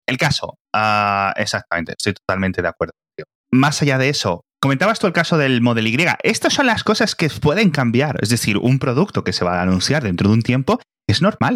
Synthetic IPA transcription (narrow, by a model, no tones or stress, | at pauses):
e̞lkaso̞ | ae̞̰sak̚t̪amẽ̞nt̪est̪ojt̪o̞t̪alment̪e̞ðeakwe̞ɾðoot̪io | masaʝaðe̞eso̞koment̪aβast̪uelkaso̞ðe̞lmo̞ðe̞liɣɾje̞ɣa̰ʔe̞st̪osːo̞nlasko̞saske̞pwe̞ð̞e̞ŋkambjaɾezðe̞θiɾṵmpɾo̞ðuk̚t̪o̞ke̞se̞β̞aːnũnθjaɾðe̞nt̪ɾo̞ðunt̪je̞mpo̞ | kezno̞ɾmal